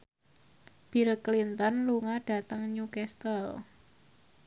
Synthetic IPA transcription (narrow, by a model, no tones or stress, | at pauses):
b̥ilklint̪ɔnluŋaɖ̥a̤t̪əŋɲukɛst̪əl